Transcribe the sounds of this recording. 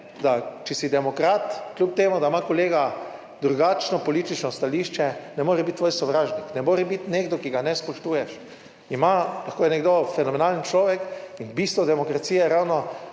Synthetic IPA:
d̪at͡ʃɛsid̪ɛmɔkɾaːt̪kljup̚t̪eːmud̪amakɔleːɡa | d̪ɾuɡat͡ʃnɔpɔliːt̪it͡ʃnɔst̪aliʃt͡ʃɛnɛmoːɾɛbit̪̚t̪ːʋoːjsɔʋɾaːʒniknɛmoːɾɛbit̪neːɡd̪ɔkiɡanɛspɔʃt̪uːjɛʃ | imalaxkoːjɛnɛɡd̪ofɛnɔmɛnaːlənt͡ʃlɔːʋɛkinbist̪ʋɔd̪ɛmɔkɾat̪siːjɛɾawnɔ

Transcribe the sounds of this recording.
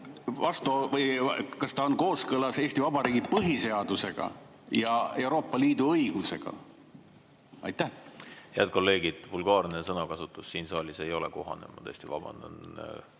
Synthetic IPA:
vɑst̪uvɤjkɑst̪ɑonko̞ːskɤlɑse̞ːsʲt̪ivɑbɑɾiːɡ̥ipɤɦise̞ɑd̪̥use̞ɡ̥ɑ̰ | jɑe̞wɾo̞ːpːˑɑliːd̪uɤjɡ̥use̞̰ɡ̥ɑ̰ | ɑ̰jt̪ːˑæhheæd̪̚ko̞lːe̞ːɡid̪̥vulɡ̥ɑːrnesɤnɑkɑsut̪ːˑusːiːnsɑːlʲise̞jo̞lḛko̞̰ɦɑ̰nḛmɑt̪eːst̪ivɑ̰b̥ɑ̰nd̪o̰n

